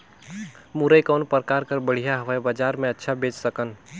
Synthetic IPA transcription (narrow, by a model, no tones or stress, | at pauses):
muɾəjkɔːnpəɾkaːɾkəɾbəɽ̤ijaɦʋɛbad͡ʒaːɾmẽɐtːʃʰabeːt͡ʃsəkən